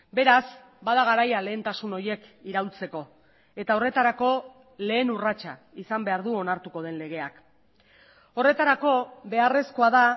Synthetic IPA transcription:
be̞ɾas | baðaɣ̞aɾajale̞ːnt̪asuno̞ɾje̞kiɾawlt͡se̞ko̞ | e̞t̪ao̞re̞t̪aɾako̞ | le̞ːnurat͡ʃa | isambe̞aɾðuo̞naɾt̪uko̞ð̞e̞nle̞ɣ̞e̞ak | o̞re̞t̪aɾako̞βe̞are̞skoaða

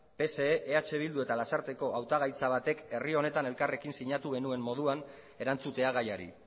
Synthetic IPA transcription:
pe̞se̞ːʔeat͡ʃe̞β̞ild̪ue̞t̪alasaɾt̪e̞ko̞ʔawt̪aɣ̞ajt͡saβ̞at̪e̞ke̞rio̞ne̞t̪ane̞lkare̞kinsiɲat̪uɣe̞nue̞mːo̞ðuan | e̞ɾant͡sut̪e̞aɣ̞ajaɾḭ

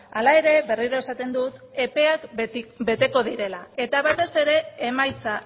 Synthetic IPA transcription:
alae̞ɾe̞βe̞riɾo̞e̞sat̪e̞nd̪ut̪e̞pe̞akbe̞t̪e̞ko̞ðiɾe̞lae̞t̪aβat̪e̞se̞ɾe̞emajt͡sa

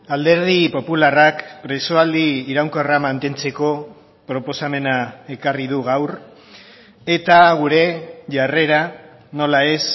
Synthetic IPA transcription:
ald̪e̞ɾð̞ipo̞pularakpɾe̞so̞ald̪iːɾawŋkoramant̪e̞nt͡se̞ko̞ | pɾo̞po̞same̞nae̞karið̞uɣawr | e̞t̪aɣ̞uɾe̞ʝare̞ɾa | no̞lae̞s

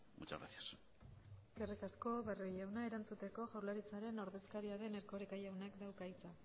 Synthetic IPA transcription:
mut͡ʃa̰ɣɾa̰θjas | eske̞rikasko̞βerojawnae̞ɾant͡sut̪e̞ko̞ʝawlaɾit͡saɾe̞no̞ɾðe̞skaɾiaðe̞neɾko̞ɾekajawnakd̪awkaijt͡sa

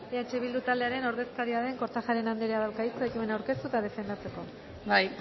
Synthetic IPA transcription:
eat͡ʃe̞β̞ild̪ut̪ald̪e̞aɾe̞no̞ɾðe̞skaɾiaðeŋko̞ɾt̪axaɾe̞nand̪eɾeaðawkait͡soekimenawɾke̞st̪ut̪aðe̞fe̞nd̪at͡se̞ko̞ | baj

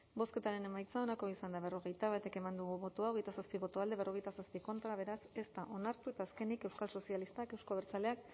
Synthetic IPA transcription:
bo̞ske̞t̪aɾe̞ne̞majt͡sao̞nako̞isand̪aβ̞e̞ro̞ɣe̞jt̪aβat̪e̞ke̞mand̪uɣuβo̞t̪oao̞ɣ̞e̞jt̪asaspiβo̞t̪oald̪eβ̞e̞ro̞ɣ̞ejt̪asaspiko̞nt̪ɾaβ̞e̞ɾase̞st̪aʔo̞naɾt̪ue̞t̪aːske̞nike̞wskalso̞sialist̪ake̞wsko̞β̞eɾt͡sale̞ak

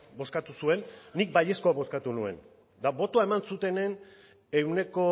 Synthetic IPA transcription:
bo̞skat̪usue̞nːik̚baʎe̞sko̞aβo̞skat̪unue̞̰n | d̪aβo̞t̪oae̞mansut̪e̞nen | e̞wne̞ko̞

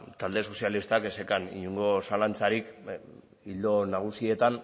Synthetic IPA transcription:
t̪ald̪e̞so̞sijalist̪akesekanḭɲuŋɡo̞salant͡saɾik | ild̪o̞naɣ̞usie̞t̪an

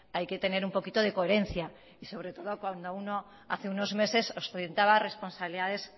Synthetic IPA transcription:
ajke̞t̪e̞ne̞ɾumpo̞kit̪oð̞ekoeɾe̞n̟θja | iso̞β̞ɾe̞t̪o̞ðokwand̪ouno | a̰θeunozme̞se̞sosoɾje̞nt̪aβare̞spo̞nsaβiliðað̞e̞s

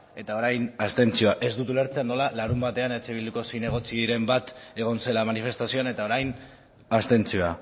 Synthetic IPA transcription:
e̞t̪ao̞ɾajnast̪e̞nt͡sio̞aʔe̞zd̪ut̪uleɾt͡seanːo̞lalaɾumbat̪e̞ane̞t͡ʃe̞βild̪uko̞sine̞ɣ̞o̞t͡siɾe̞mbat̪e̞ɣ̞o̞nse̞lamanife̞st̪asio̞ane̞t̪ao̞ɾajn | ast̪e̞nt͡sio̞a

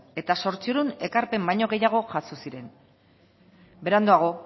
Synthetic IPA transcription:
e̞t̪aso̞ɾt͡sioɾune̞kaɾpe̞mbaɲo̞ɣe̞jaɣ̞o̞ʝasosiɾe̞n | be̞ɾand̪oaɣ̞o̞

